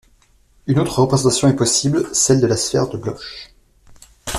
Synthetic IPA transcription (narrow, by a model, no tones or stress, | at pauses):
ynot̪χəʁəpχezɑ̃t̪asjɔ̃ɛpɔsiblsɛld̪əlasfɛ̰ʁd̪əblɔ̰ʃ